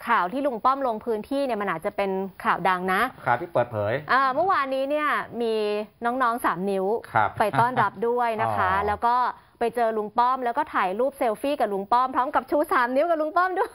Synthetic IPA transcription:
kʰaː˨˩wt̪ʰiː˥˩lu˧ŋpɔ˥˩mlo˧ŋpʰɯː˦˥nt̪ʰiː˥˩ni˥˩ɐma˧nʔaː˨˩t͡ɕa˨˩pe˧nkʰaː˨˩wda˧ŋna˦˥ʔʰaː˨˩t̪ʰiː˥˩pɤː˨˩t̪̚pʰɤː˩˦jʔɤː˧mɯ˥˩waː˧nːiː˦˥ni˥˩ɐmiː˧nɔː˦˥ŋnɔː˦˥ŋsaː˩˦mni˦˥wkʰa̰˧pa˧jt̪ɔː˥˩nɾa˦˥p̚du˥˩əjna˦˥kʰa˦˥lɛː˦˥wkɔː˥˩ | pa˧jt͡ɕɤː˧lu˧ŋpɔ˥˩mlɛː˦˥wkɔː˥˩t̪ʰaː˨˩jɾuː˥˩p̚seː˧wfiː˥˩ka˨˩lu˧ŋpɔ˥˩mpʰɾɔː˦˥mka˨˩p̚t͡ɕʰuː˥˩saː˨˩˦mni˦˥wka˨˩lu˧ŋpɔ˥˩mdu˥˩ə

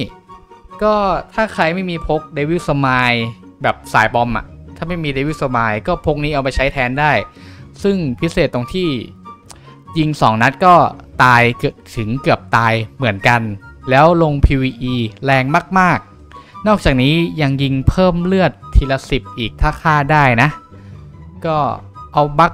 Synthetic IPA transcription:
kɔː˥˩t̪ʰaː˥˩kʰa˧jma˥˩jmiː˧pʰo˦˥k̚deː˧wiː˦˥˩w̚sa˧maː˧j | bɛː˨˩p̚sa̰ː˩˦jbɔ˧mʔa̰˨˩ʔt̪ʰaː˥˩ma˥˩jmiː˧deː˧wi˦˥˩w̚sa˧maː˧jkɔː˥˩pʰo˦˥k̚niː˦˥ʔa˧wpa˧jt͡ɕʰa˦˥jt̪ʰɛː˦˥ndaː˥˩jsɯ˥˩ŋpʰi˦˥seː˨˩t̪ːo˧ŋt̪ʰiː˥˩ | ji˧ŋsɔː˩˦ŋna˦˥t̪̚kɔː˥˩t̪aː˧jkt̪ʰɯ˩˦ŋkɯ˨˩əp̚t̪aː˧jmɯ˩˦ənka˧nlɛː˦˥wlo˧ŋpʰiː˧wiː˧ʔiː˧lɛː˧ŋmaː˥˩k̚maː˥˩k̚ | nɔː˥˩k̚t͡ɕaː˨˩k̚niː˦˥ja˧ŋji˧ŋpʰɤː˥˩mlɯ˥˩ət̪ʰːiː˧la˧si˨˩p̚ʔiː˨˩k̚t̪ʰaː˥˩kʰaː˥˩daː˥˩jna˦˥ʔ | kɔː˥˩ʔa˧wba˦˥k̚

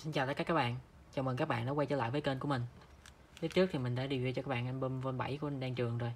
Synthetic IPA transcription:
si˧nt͡ɕaː˨˩t̪ə˨˦kaː˧˥kaː˦˥ɓa̰ː˧˨n | t͡ɕa˨˩wməː˨˩kaː˦˥k̚ɓa̰ː˧˨nɔ˨˦wa˧jt͡ɕəː˧˦la̰ː˧˨jvəː˨˦jke˧nku˧˦əmï˨˩ŋ̟ | t̪i˦˥p̚t͡ɕɨ˦˥k̚t̪ʰi˨˩mï˨˩ŋ̟ɗa̰ː˧˥ɗi˨˩wɣt͡ɕɔ˧kaː˦k̚ɓaː˧˨nʔa˧jnɓə˧nvə˧nɓa̰˧˩jku˧˩ə˧ɗaː˧ŋt͡ɕɨ˨˩əŋzo˨˩j

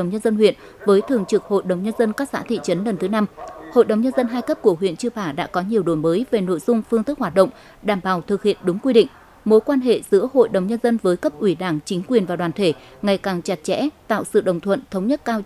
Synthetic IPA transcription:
ə˨˩wɲə˧nzə˧nɦwḭ˧˨ən | vəː˨˦jt̪ʰɨ˨˩əŋt͡ɕɨ˨˩k̚ho̰˧˨jɗə˨˩wŋ͡mɲə˧nzə˧nkaː˦˥k̚sa̰ː˧˥t̪ʰḭ˧˨t͡ɕə˨˦nlə˨˩nt̪ʰɨ˨˦na˧mho̰˧˨jɗə˨˩wɲə˧nzə˧nɦaː˧jkə˦˥p̚ku˧˩əɦwḭ˧˨ənt͡ɕɨ˧əpaː˧˩ɗa̰ː˧˥kɔ˨˦ɲi˨˩əwɗo˧˨˩jməː˨˦jve˨˩no̰˧˨jzʊ˧ŋ͡mfɨ˧ŋt̪ɨ˦˥k̚hwaː˨˩t̚ɗə̰˧˨wŋ͡m | ɗaː˧˩mɓaː˨˩wt̪ʰɨ˨˩k̚hḭ˧˨ənɗʊ˨˦ŋ͡mkwi˧ɗḭ̈˧˨ŋ̟ | mo˨˦jkwaː˧nɦḛ˧˨zɨ̰˧˥əho̰˧˨jɗə˨˩wŋ͡mɲə˧nzə˧nvəː˨˦jkə˦˥p̚ʔwi˧˩ɗaː˧˩ŋt͡ɕï˨˦ŋ̟kwi˨˩ənvaː˨˩ɗwaː˨˩nt̪ʰe˧˩ŋa˨˩jkaː˨˩ŋt͡ɕa˨˩t̚t͡ɕɛ̰˧˥t̪a̰ː˧˨wsɨ̰˧˨ɗə˨˩ŋ͡mt̪ʰwə̰˧˨nt̪ʰə˨˦wŋ͡mɲə˦˥t̚kaː˧w

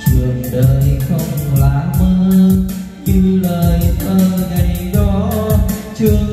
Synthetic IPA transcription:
t͡ɕɨ˨˩əŋɗəː˨˩jxə˧˩wŋ͡mlaː˨˦məː˧˦ | ɲɨ˧ləː˨˩jʔəː˧˩ɗa˨˩jɗɔ˨˦ | t͡ɕɨ˧ə

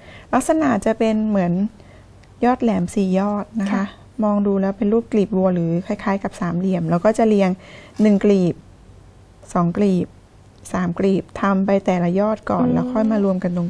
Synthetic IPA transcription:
la˦˥k̚sa˧na˨˩t̪̚t͡ɕa˨˩ʔpe˧nmɯ˩˦ən | jɔː˥˩t̪̚lɛː˩˦msiː˨˩jɔː˥˩t̪̚na˦˥kʰa˦˥ʔ | mɔː˧ŋduː˧lɛː˦˥wpe˧nluː˥˩p̚kliː˨˩p̚wu˧ɾɯː˩˦kʰa˧˥˩jkʰaː˨˦˥jka˨˩p̚saː˨˩˦mli˨˩əmlɛː˦˥wkɔː˥˩t͡ɕa˨˩li˧əŋnɯ˨˩ŋkliː˨˩p̚ | sɔː˩˦ŋkliː˨˩p̚ | saː˩˦mkliː˨˩p̚t̪ʰa˧mpa˧jt̪ɛː˨˩la˧jɔː˥˩t̪̚kɔː˨˩nlɛː˦˥wkʰɔ˥˩jmaː˧ɾu˧əmka˧nt̪o˧

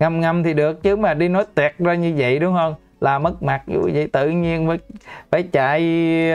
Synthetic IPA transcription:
ŋa˧˩mŋa˧mt̪ʰi˨˩ɗɨ˨˩ək̚t͡ɕɨ˨˦maː˨˩ɗi˧nɔ˨˦jt̪wɛ˨˩t̚zaː˧ɲɨ˧və̰˧˨jɗʊ˨˦ŋ͡mhə˧n | laː˨˩mə˦˥k̚ma˨˩t̚zṵ˧˩˧və̰˧˨jt̪ɨ̰˧˨ɲi˧ənvəː˨˦jfaː˧˩˦jt͡ɕa̰ː˧˨j

